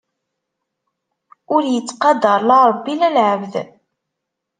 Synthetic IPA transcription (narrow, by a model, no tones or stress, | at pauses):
ʊɾjət͡sːqɑd̪əɾˤlɑɾˤəbːilælʕəvð